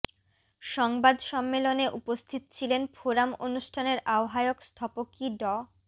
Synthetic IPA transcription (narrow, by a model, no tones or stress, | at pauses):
ʃɔŋbad̪ʃɔmːeloneʔupost̪ʰit̪ot͡ɕʰilenfoɾamo̰nuʃʈʰaneɾaoɦaeokst̪ʰɔpokiɖɔ